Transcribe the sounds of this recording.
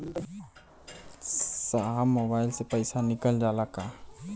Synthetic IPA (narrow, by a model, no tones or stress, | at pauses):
saɦamːobaːɪlsepəɪsanɪkəld͡ʒalaka